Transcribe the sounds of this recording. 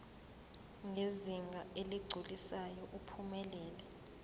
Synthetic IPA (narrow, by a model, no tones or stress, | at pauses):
ŋɡʱeziŋɡʱaʔeliɡ͡ǀʱulisajɔʔupʰumɛlɛːlɛ